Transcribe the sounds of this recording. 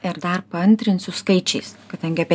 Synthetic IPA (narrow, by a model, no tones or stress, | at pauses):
ɪɾd̪ɐrpɐɐnʲt̪ʲɾʲɪnsʊskɐɪt͡ʃʲɛɪskɐd̪ɐŋʲɡʲɪɐpʲɛ